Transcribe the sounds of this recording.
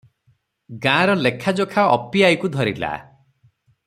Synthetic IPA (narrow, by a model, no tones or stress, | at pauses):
ɡãːɾɔlekʰːad͡ʒokʰaɔ̰piajkud̪ʱɔɾḭla̰